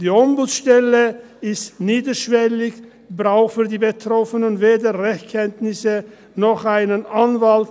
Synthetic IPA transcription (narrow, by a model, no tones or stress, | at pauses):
d̥iːɔmbltʃtɛlə | ɪstniːdəʃv̥ɛlɪç | bʁaʊxfyːɐdiːbətʁɔfənənveːdəʁɛçtkʰɛntnɪsə | nɔχaɪnənʔanvalt